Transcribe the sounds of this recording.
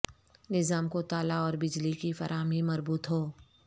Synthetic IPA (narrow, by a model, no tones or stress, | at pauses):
nɪzaːmkot̪aːlaɔːɾbɪd͡ʒlikifɐ̰ɾʔaːmimɐɾbuːt̪ɦoː